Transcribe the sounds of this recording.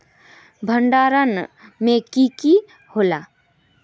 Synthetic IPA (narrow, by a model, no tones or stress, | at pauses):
bʱəɳɖaːɾənmẽkiki | holaː